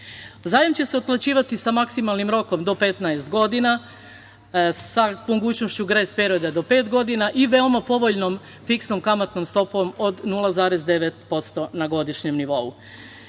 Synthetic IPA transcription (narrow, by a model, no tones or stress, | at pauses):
zaːjamt͡ɕe̞se̞ot̪̚plˠat͡ɕiːʋat̪isamaksimalˠnimɾo̞ko̞md̪o̞pe̞t̪naest̪ɡo̞d̪ina | samoɡuːt͡ɕno̞ʃt͡ɕuɡɾeːspeɾod̪ad̪o̞pe̞ːt̪ɡo̞d̪inaʔiʋe̞omapo̞ʋo̞ʎnom | fiksno̞mkamat̪nomst̪o̞poʋomo̞d̪nulˠazaːɾezd̪e̞ʋet̪̚po̞t̪st̪o̞naɡo̞d̪iʃɲe̞mniʋo̞u